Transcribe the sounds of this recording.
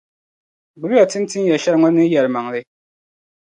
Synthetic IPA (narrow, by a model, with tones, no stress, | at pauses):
bʊ˨ba˨tɨ˦n˦tɨ˦n˦jɛ˨ʃɛ˦ɾŋɔ˦nɨ˦jɛ˨ɾɨ˨ma˨ŋ˨lɨ˦